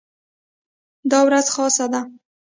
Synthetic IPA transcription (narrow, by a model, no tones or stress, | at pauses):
d̪ɑwɾazxɑsad̪a